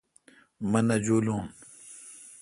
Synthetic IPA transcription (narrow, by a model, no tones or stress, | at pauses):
mɐnɐd͡ʑuːlũːn